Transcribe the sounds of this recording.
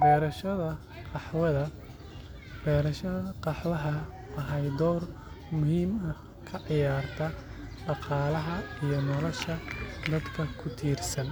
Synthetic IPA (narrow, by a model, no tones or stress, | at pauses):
bɛːɾɐʃɐðɐ | qɑħwɐðɐ | b̥ɛːɾɐʃɐqɑħwɐɦɐ | ɐɦɐjd̪ɔːr | mʊhiːmɐ | kʰɐʕɪjaːrt̪ʰɐɖɑqɑːlɐɦɐijɞnɔlɔʃɐd̪ɐd̪kʰɐkʰʊt̪ʰiːrsɐn